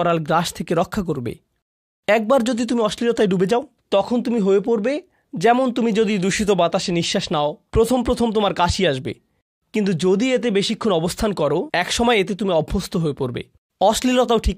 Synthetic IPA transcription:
ɔɾalɡɾaʃt̪ʰekeɾɔkʰːak̬oɾbḛ | ɛk̚baɾd͡ʑod̪it̪umiɔʃlilot̪aeɖubed͡ʑao | t̪ɔkʰont̪umiɦoepoɾbe | d͡ʑɛmont̪̬umid͡ʑod̪id̪ɾuʃit̪̬obat̪aʃeniʃːaʃnaopɾot̪ʰompɾot̪ʰomt̪omaɾkaʃiaʃbḛ | kint̪ud͡ʑod̪iet̪ebeʃikʰːunɔbost̪ʰankɔɾoɛkʃɔmɔeet̪̬et̪umiɔbʱːost̪ʰoɦoepoɾbḛ | ɔʃlilot̪aoʈʰik

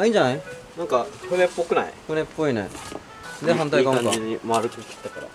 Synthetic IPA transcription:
aĩd͡ʑanajnaŋkahɯnep͈ːokɯna̰jkɯnep͈ːoina̰j | ɯnd̪eɦant̪̬aikamakaiɲimaɾɯkoki̥t̪͈ːakaɾa̰

